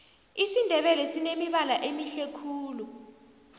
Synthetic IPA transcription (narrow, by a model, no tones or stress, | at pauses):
isindʱɛɓɛlɛsinemiɓalaʔemiɬekʰuːlu